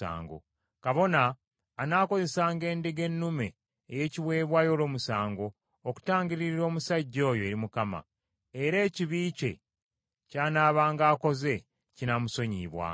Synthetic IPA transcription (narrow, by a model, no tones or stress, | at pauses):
a̰ːŋɡo̰ | kaβo̞naː | naːko̞ze̞saːŋɡe̞ːndeɡe̞nːume̞ː | je̞ciβwe̞ːβwaːjo̞ːlo̞ːmusaːŋɡo̞ː | ku̥taːɲɡiɾiɾiɾo̞ːmusaɟːo̞ːjo̞eɾimukama̰ | e̞ɾe̞ːciβiːce̞̰ | caːnaːβaːŋɡaːko̞ze̞ | cinamuso̞ɲiːβwa̰ː